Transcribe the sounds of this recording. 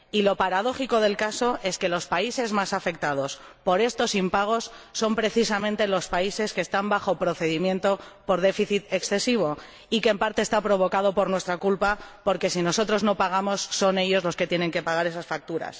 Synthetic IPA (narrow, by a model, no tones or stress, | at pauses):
ilo̞paɾaðo̞xiko̞ð̞e̞lkaso̞e̞ske̞lo̞spaise̞zmasafe̞k̚t̪að̞o̞spo̞ɾe̞st̪o̞simpaɣ̞osːo̞mpɾe̞θisamẽ̞nt̪e̞lo̞spaise̞skeːst̪ambaxo̞pɾo̞θe̞ðimje̞nt̪o̞po̞ɾð̞e̞fiθit̪e̞ksθe̞siβ̞o̞ | ike̞ːmpaɾt̪e̞ːst̪apɾo̞β̞o̞kað̞o̞po̞ɾnwe̞st̪ɾakulpapo̞ɾke̞sino̞so̞t̪ɾo̞zno̞paɣ̞amo̞sːo̞ne̞ʎo̞zlo̞ske̞t̪jene̞ŋke̞paɣaɾe̞sasfak̚t̪uɾa̰s